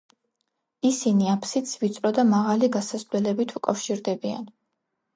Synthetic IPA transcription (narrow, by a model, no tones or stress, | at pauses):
isiniapʰsit̪sʰvit̪sʼɾɔd̪amaʁaliɡasaslɛlɛbit̪ʰukʼafʃiɾd̪ɛbia̰n